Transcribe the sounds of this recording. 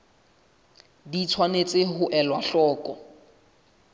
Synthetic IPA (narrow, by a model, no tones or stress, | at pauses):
dit͡sʰwanet͡sʼɪɦʊʔɛlwaɬɔːkʼɔ